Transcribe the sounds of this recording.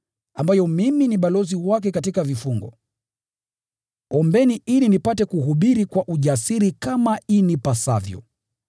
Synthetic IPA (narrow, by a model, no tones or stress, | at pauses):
ambajɔmiminiɓalɔziwak̬ɛkatikavifuŋɡɔ | ɔmbɛniʔilinipatɛkuɦuɓiɾikwaʔuʄasiɾikamainipasa̰vjɔ̰